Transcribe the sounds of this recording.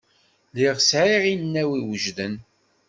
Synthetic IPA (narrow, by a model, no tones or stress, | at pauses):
liʁsʕiʁinːæwiwəʒðən